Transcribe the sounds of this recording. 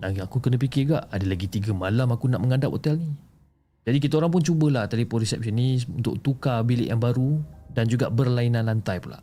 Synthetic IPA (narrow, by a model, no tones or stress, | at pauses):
aakukənə̃p̬ikɪɡaʔadəlaɡit̪iɡəmalamakunaʔməŋandap̚ho̰t̪ɛlni | d͡ʒadik̬it̪aoɾaŋp̬ʊnt͡ʃubəlaht̪alipʊnɾisɛp̚sənĩunt̪ʊʔ̚t̪ukabilɪ̰ʔjaŋbaɾudand͡ʒuɡaʔbərlainãnlant̪ajpula̰ʔ